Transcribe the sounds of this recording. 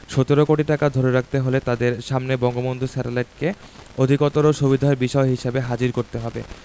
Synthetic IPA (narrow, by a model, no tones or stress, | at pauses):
ʃɔt̪oɾokoʈiʈakad̪ʱoɾeɾak̚ʰt̪eɦolet̪ad̪eɾʃamnebɔŋɡobond̪ʱusɛʈelajʈ̚keod̪ʱikot̪oɾoʃubid̪ʱaebiʃɔeɦiʃebeɦad͡ʑiɾkoɾt̪eɦɔbḛ